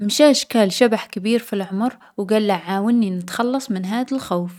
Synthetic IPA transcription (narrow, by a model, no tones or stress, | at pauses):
mʃaːʃkaːlʃabaħkɪbiːɾfilʕʊmɾ | wɡalːaʕʕaːwɪnːinɪt̪xɑlːɑsˤmɪnɦaːðalxaːf